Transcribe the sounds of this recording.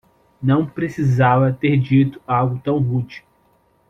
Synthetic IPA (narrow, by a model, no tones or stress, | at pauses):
nɐ̃w̃pɾesizavɐt̪eɾd͡ʒit̪ʊ̥awɡʊt̪ɐ̃w̃ɦud͡ʒi̥